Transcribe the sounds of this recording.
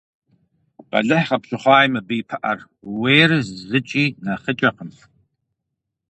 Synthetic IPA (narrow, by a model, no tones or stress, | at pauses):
b̥a̰ɮɨħχapʰʃʷʊχʷaːjmabijpʰaʔa̰r | wejrzzɨt͡ʃʼinaχət͡ʃʼaqəm